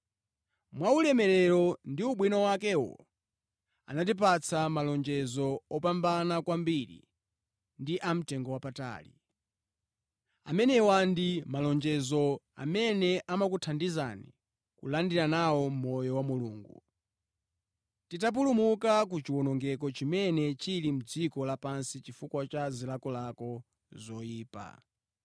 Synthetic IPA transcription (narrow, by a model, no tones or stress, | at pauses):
mwaulɛmɛɾɛɾɔndiuɓwinɔwakɛwɔ̰ | a̰natip̬at͡sʰamalɔnd͡ʒɛzɔɔpambanakwambiɾḭ | ndiʔam̩tɛŋɡɔwapata̰ːlḭ | a̰mɛnɛwandimalɔnd͡ʒɛzɔa̰mɛnɛʔamakutʰandiza̰nḭ | kulandiɾanawɔm̩mɔjɔwamuluːŋɡṵ | titap̬ulumukak̬ut͡ʃiwɔnɔŋɡɛk̬ɔt͡ʃimɛnɛt͡ʃilim̩d͡zikɔlapansit͡ʃifukwat͡ʃazilakɔlakɔ | zɔjiːpa̰